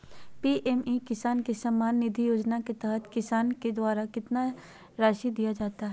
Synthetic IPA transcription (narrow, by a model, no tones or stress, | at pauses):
piːʔɛmikɪsaːnkisɐmːaːnːɪd̪ʱijoːd͡ʒnaket̪ɛɦət̪kɪsaːnked̪waːɾakɪt̪na | ɾaːʃid̪ijad͡ʒaːt̪aɦɛː